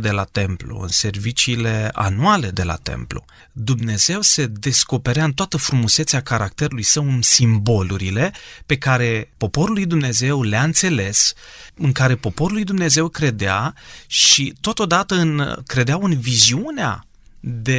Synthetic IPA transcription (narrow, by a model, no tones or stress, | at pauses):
d̪e̞lat̪e̞mplṵɨ̰nse̞rvit͡ʃiːle̞a̰nuale̞d̪e̞la̰t̪e̞̰mplṵ | d̪umne̞ze̞wse̞d̪e̞sko̞pe̞ɾeaɨnt̪oat̪əfɾumuse̞t̪seakaɾak̚t̪e̞ɾulujsəwɨnsimbo̞luɾile̞pe̞kaɾe̞po̞po̞ɾulːujd̪umne̞ze̞wleaɨnt̪se̞le̞sɨŋkaɾe̞po̞po̞ɾulːujd̪umne̞ze̞wkɾe̞d̪eaʃit̪o̞t̪o̞d̪at̪əɨnkɾe̞d̪eawɨnviziunea̰ | d̪e̞